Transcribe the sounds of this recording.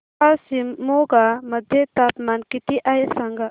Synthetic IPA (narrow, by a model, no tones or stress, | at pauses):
asimoɡamɐd̪ʱjet̪apmankit̪iʔajesaŋɡa